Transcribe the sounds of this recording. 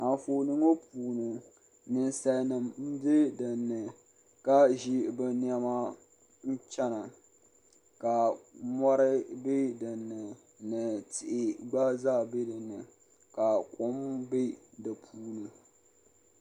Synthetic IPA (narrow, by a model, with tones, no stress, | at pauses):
a˨n˨foː˨nɨ˦ŋo˦puː˨nɨ˨ | nɨ˨nsa˦nɨ˨mm̩˦be˦dɨ˨nːɨ˨ | ka˦ʒi˦bɨ˨ni˦a˦ma˦ | n̩˦t͡ʃɛ˦na˨ | ka˨mɔ˦ɾɪ˦be˦dɨ˨nːɨ˨ | nɨ˨tʰɪ˨ʔɪ˨ɡ͡ba˦zaː˦˨be˦dɨ˨nːɨ˨ | ka˨kʊ˦mbe˦dɨ˨pʰuː˦nɨ˨